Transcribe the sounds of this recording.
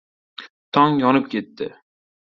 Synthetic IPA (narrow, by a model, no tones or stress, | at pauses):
t̪ʰɒŋjɒnɨp̚kʲʰet̪ːɪ̰